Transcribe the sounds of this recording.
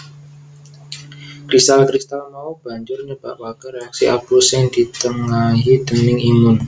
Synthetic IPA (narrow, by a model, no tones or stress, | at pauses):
kɾist̪alkɾist̪alnaob̥a̤ɲd͡ʒʊrɲəb̥a̰ʔwakəɾeaksiʔabusɛnd̪̥i̤t̪əŋaɦid̪̥ənɪŋimʊn